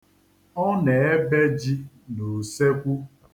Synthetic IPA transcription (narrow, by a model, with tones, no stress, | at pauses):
ɔ˦ne˨e˦be˦d͡ʒi˦ | no˨se˦kʷu˦